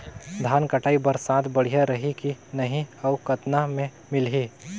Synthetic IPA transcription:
d̪ʱaːnkəʈaːibəɾsaːt̪bəɽ̤ijaɾəɦikinɐɦĩɐʊkət̪namẽ | mɪlɦiː

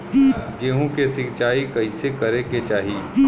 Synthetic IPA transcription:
ɡeːɦõkesɪkt͡ʃaːikɐisekɐɾeket͡ʃaːɦiː

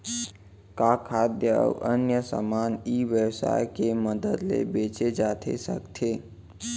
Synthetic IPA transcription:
kakʰad̪jə̰ʋənjəsə̰maniːʋjəwsa̰jkeməd̪əd̪lḛbet͡ʃed͡ʒat̪ʰḛsə̰kt̪ʰe

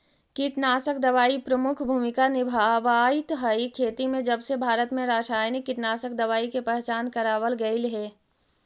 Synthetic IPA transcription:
kɪʈnaːsəkd̪ɐʋaːipɾəmʊkʰbʱuːmɪkanɪbʱaːʋaːit̪ɦəikʰeːt̪imẽd͡ʒɐbsebʱaːɾət̪mẽɾaːʃaːjnɪkːɪʈnaːsəkd̪ɐʋaːikepɛɦt͡ʃaːnkɐɾaːʋəlɡɐilɦɛː

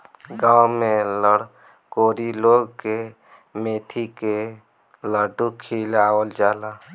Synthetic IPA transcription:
ɡaːwmẽləɽ | koːɾiloːɡke | meːt̪ʰike | ləɖukʰiːlaːwəld͡ʒaːlaː

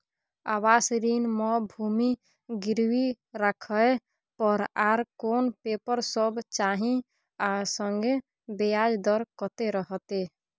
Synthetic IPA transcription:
awasɾinmɔbʱumi | ɡɪɾwi | ɾakʰəe | pɔɾaɾkonpepəɾsɔbt͡ʃaɦĩ | asɔŋɡe | bejad͡ʒd̪ɔɾkɔt̪eɾɔɦt̪e

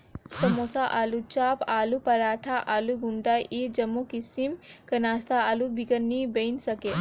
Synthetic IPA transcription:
sɐmoːsaʔaːlut͡ʃaːpaːlupɐɾaːʈʰaʔaːluɡuɳʈaːʔed͡ʒɐmːokisimkɐnaːst̪aaːlubikənːibeinsɐke

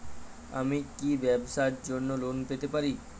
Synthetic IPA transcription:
ə̰mikiʋɛbsajt̪̚d͡ʒoɾnolonpet̪epaɾi

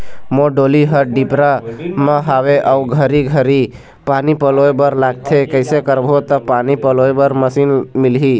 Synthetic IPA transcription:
moɖoliɦəɾɖipɾamə̃ɦaweʔauɡʱəɾiɡʱəɾi | panipəloebəɾlaɡ̚t̪ʰekəɪsekəɾbʱot̪əpanipəloebəɾməsiːnmilɦi

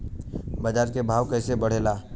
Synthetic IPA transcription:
bəd͡ʒaːɾkebʱaːʋkɛːsebɐɽ̤eːlaː

